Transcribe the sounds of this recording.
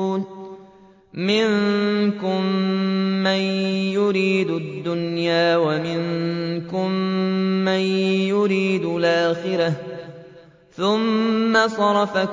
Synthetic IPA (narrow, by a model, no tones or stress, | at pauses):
mɪnkʊmː | anjʊɾiːd̪ʊd̪ːʊnjaːwamɪŋkʊmː | anjʊɾiːd̪ʊlʔaːxɪɾa | θʊmːasˤɑɾˤɑfa